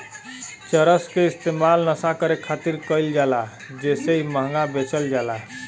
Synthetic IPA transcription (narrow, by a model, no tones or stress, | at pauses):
t͡ʃəɾəskeist̪emalnəsakəɾekʰat̪iɾkəɪld͡ʒala | d͡ʒeseiməɦŋɡabet͡ʃəld͡ʒala